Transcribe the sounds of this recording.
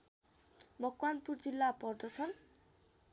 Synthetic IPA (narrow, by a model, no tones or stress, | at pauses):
mʌkwanpurd͡zilːapɔrd̪ʌsʰʌn